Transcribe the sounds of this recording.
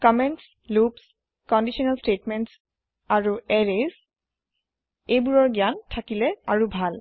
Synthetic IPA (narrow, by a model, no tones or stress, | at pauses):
kɔmɛnts | lups | kɔndiʃiɔnalstetmɛnts | aɹuɛɹez | ejbuɹɔɹɡiantʰakilɛaɹubʱal